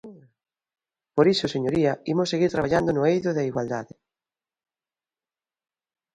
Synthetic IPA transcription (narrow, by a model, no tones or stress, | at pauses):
poɾisʊseɲoɾiɐimosːeɣiɾt̪ɾaβaʎand̪onʊejðʊðaiɣwald̪aðɪ